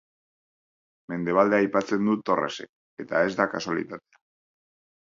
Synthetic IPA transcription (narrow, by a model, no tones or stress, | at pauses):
me̞nd̪e̞β̞ald̪e̞ajpat͡se̞nd̪ut̪o̞rḛse̞̰k | e̞t̪ae̞zd̪akaswalḭt̪at̪ea